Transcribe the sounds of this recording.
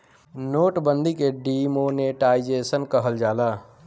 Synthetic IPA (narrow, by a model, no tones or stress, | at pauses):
noːʈbə̃nd̪ʱikeɖimoːneʈaːɪd͡ʒeːsənkəɦəld͡ʒaːlaː